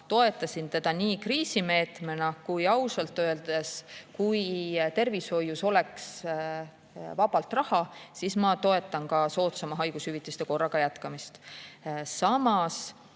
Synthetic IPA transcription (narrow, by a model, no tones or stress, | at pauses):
t̪o̞e̞t̪ːˑɑsint̪e̞d̪̥ɑniːkriːsime̞ːt̪menɑkujɑwsɑlt̪ˑːø̞eld̪̥eskujt̪e̞rvisho̞jːuso̞le̞ks | vɑb̥ɑlt̪rɑhɑsismɑt̪o̞e̞t̪ːˑɑnkɑso̞ːt̪sɑmɑɦɑjɡ̥ushyvit̪ːˑist̪e̞ko̞rːɑɡ̥ɑjæt̪kɑmist̪ | sɑmɑs